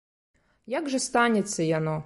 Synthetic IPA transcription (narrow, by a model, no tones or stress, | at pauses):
jaɡʐɛst̪anʲɛt̪sʲːɐjanɔ